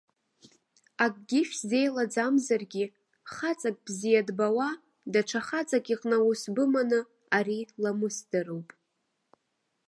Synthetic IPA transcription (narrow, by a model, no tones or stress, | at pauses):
akʼɡʲɪʃʲᶣzejlad͡zamzarɡʲi | χat͡sʼakʼb̥zijadbawa | daʈ͡ʂʰaχat͡sʼakʼiqʼnawʊsbɨmanɨ | aɾilamɨsdɨrowpʼ